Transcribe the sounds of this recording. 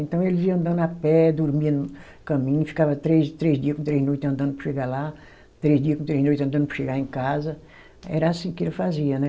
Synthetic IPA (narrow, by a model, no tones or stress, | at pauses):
ẽnt̪ɐ̃w̃elɪziɐ̃ɐ̃nd̪ɐ̃nd̪apɛd̪uɾmiɐ̃d̪u | kɐ̃mĩɲʊfi̥kavɐt̪ɾezt̪ɾezd̪iɐkũt̪ɾezinojt̪ɐ̃nd̪ɐ̃nd̪ʊpɾɐʃeɡala | t̪ɾezd̪iɐkũt̪ɾezinojt̪ɐ̃nd̪ɐ̃nd̪ʊpɾɐ̥ʃeɡaɾẽkazɐ | ɛɾɐasĩkɪelɪfaziɐnɛ